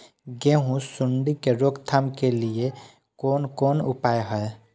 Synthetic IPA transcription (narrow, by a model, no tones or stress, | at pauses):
ɡẽɦũsuɳɖikeɾoɡt̪ʰamkelie | koːnkoːnṵpajɦəe